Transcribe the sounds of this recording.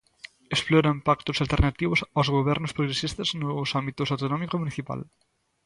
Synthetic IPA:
esploɾampakt̪osalt̪eɾnat̪iβ̞osawzɣoβ̞ɛɾnospɾoɣɾesist̪aznosambit̪osawt̪onɔmikomũniθipa̰l

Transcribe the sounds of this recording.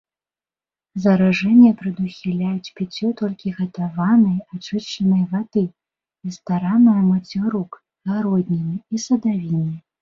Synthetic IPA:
zɐɾaʐɛnʲːɛpɾɨd̪uxʲilʲajut͡sʲpʲit͡sʲɔt̪ɔlʲkʲiɣɐt̪avanɐjat͡ʂɨʂt͡ʂɐnɐjvad̪ɨ | ist̪aɾanɐjɐmɐt͡sʲiɾuk | ɣaɾɔd̪ʲnʲɛnɨisɐd̪avʲinɨj

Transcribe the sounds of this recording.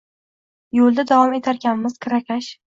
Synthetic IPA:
jolˠd̪ad̪avɒme̞t̪ʰaɾɡʲanmɪz̥kʰɾakʲʰaʃ

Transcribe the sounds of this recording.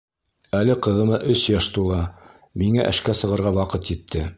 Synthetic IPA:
ælɘqɤ̆ðɤ̆mɑʔɵsjæʃt̪ulˠɑ | miŋæʔɘ̰̆ʃkæsɤ̆ʁɤ̆ɾʁɑwɑqɤt̪jɘ̆t̪ʰːɘ

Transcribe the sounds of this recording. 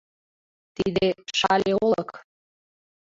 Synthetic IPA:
t̪id̪eʃɑlʲeolək

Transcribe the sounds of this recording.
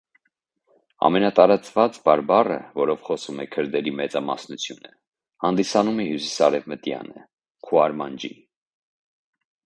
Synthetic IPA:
ɑ̰mɛnɑt̪ɑɾɑt͡svɑt͡sbɑɾbɑrə̰vɔɾɔvχɔsumɛkʰəɾd̪ɛɾimɛt͡sɑmɑ̰snut͡sʰjunə | hɑnd̪isɑnumɛhjusi̥sɑɾɛvmət̪jɑ̰nə̰ | kʰuɑɾmɑnd͡ʒḭ

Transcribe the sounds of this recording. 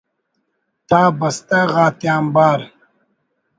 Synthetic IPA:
t̪ʰaːbɐst̪aɣaːt̪jaːmbaːɾ

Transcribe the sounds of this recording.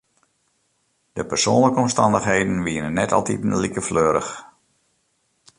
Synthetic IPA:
d̥əpərsoːnləkəɔmstɑndəxɦejdən̩ʋiːənənːɛtʰɑ̰lˠtitnəlikəfløːɾə̰x

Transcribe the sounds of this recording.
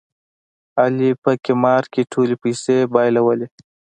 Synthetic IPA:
alipəkimɑːɾkiʈʰuːlepisebɑːjlɐwəle

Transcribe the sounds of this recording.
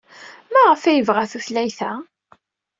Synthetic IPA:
mæʁəfæjəvʁaθuθlæjθæ

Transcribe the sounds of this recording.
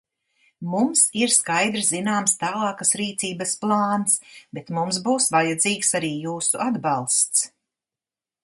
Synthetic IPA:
mumsiɾskajd̪ɾszinaːmst̪aːlˠɑːkasɾiːt̪siːbɐsplˠɑːnsbet̪mums̬buːsvajad̪ziːksaɾiːjuːsuʔad̪balˠst̪s

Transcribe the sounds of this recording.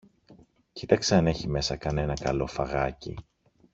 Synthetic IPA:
cit̪ɐkseɐne̞çime̞sɐkɐne̞nɐkɐlo̞fɐɣɐcḭ

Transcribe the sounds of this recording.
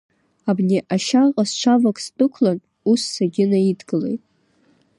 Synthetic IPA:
abneʔaʃaqʼast͡ʃʷʰavakʼstʼɨkʷʰlan | usːaɡʲɪnaidɡɨle̞̰jtʼ

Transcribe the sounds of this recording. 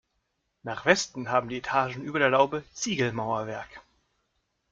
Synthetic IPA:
naːχv̥ɛstn̩ɦaːbm̩diːetʰaːʒn̩ʔyːbɐdeːɐlaʊbət͡siːɡl̩maʊɐvɛɐk

